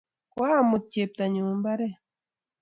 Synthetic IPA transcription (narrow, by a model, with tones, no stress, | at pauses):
wa˦˨mu˨t̚t͡ʃe˨p̚ta˨ɲuː˨mba˦ɾɛ˦˨